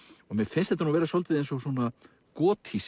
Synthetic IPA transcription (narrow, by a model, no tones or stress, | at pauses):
ɔɣmɛðfɪnst̪ɛt̪anuːvɛːɾasɔwlt̪ɪðejnsɔɣswɔːna | kɔːt̪ʰis